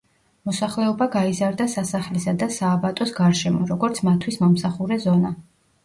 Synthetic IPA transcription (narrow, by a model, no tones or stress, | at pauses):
mɔsaχlɛɔbaɡaizaɾd̪asasaχlisad̪asaːbat̪ʼɔsɡaɾʃɛmɔɾɔɡɔɾt̪sʰmat̪ʰwismɔmsaχuɾɛzɔna